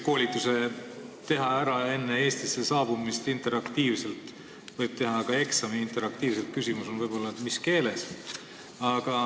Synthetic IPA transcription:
ko̞ːlʲit̪ːˑuse̞t̪e̞ɦɑæɾɑe̞nːee̞ːst̪ise̞sɑːb̥umist̪int̪ˑe̞ɾɑkt̪iːvse̞lt̪ˑ | vɤjb̥̚t̪e̞ɦɑkɑe̞ksɑmiint̪ˑe̞ɾɑk̚t̪iːvse̞lt̪̚kysʲimuso̞nvɤjb̥o̞lːɑet̪miske̞ːle̞s | ɑɡ̥ɑ

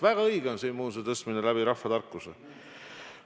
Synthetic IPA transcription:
væɡ̥ɑɤjɡ̥eo̞nsiːnmuːset̪ɤst̪minelæb̥iɾɑfːɑt̪ɑrkːˑuse

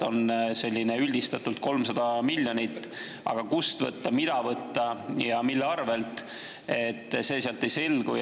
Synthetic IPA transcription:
o̞nse̞lʲːineylʲd̪̥ist̪ɑt̪ːˑult̪̚ko̞lmsɑd̪̥ɑmilʲːjonʲit̪ˑː | ɑ̰ɡ̥ɑkust̪vɤ̰t̪ːɑmid̪̥ɑvɤt̪ːɑjɑmilːeɑrve̞lt̪ˑ | e̞t̪ːse̞ːseɑlt̪ːe̞jse̞lɡṵj

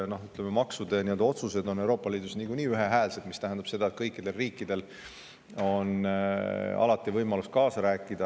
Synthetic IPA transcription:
no̞hyt̪ːˑlememɑksud̪e̞niø̞ld̪̥ɑo̞t̪suse̞d̪o̞ne̞wɾo̞ːpːˑɑliːd̪̥usniɡuniːyɦe̞ɦæːlse̞d̪mist̪æɦɛnd̪ɑb̥se̞d̪ɑet̪̚kɤjkːid̪̥e̞lriːkːˑid̪̥e̞l | o̞n | ɑ̰lɑt̪ːˑivɤjmɑlust̪kɑːsɑɾæːkːˑid̪̥ɑ

